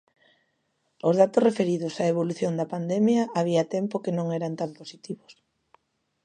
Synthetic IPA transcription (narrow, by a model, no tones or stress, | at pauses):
ʊzð̞at̪osrefeɾiðʊsaeβ̞oluθjond̪ɐpand̪ɛmjɐʔaβ̞iat̪ɛmpokenõŋɛɾɐnt̪amposit̪iβʊs